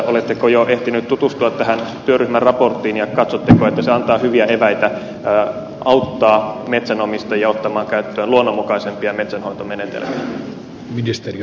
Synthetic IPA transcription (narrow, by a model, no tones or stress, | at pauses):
olet̪ːekojoʔeht̪inyt̪t̪ut̪ust̪uɑt̪t̪æɦænt̪yøryhmærrɑport̪ːˑiːnjɑkɑt̪sot̪ːekoet̪ːæseɑnt̪ɑːhyʋiæeʋæit̪æː | ʔɑut̪ːɑːmet̪sænomist̪ɑjɑot̪ːɑmɑːŋkæyt̪ːøːnluonːomːukɑisempiɑmet̪sænhoint̪omenet̪ḛlmiæ | minist̪eri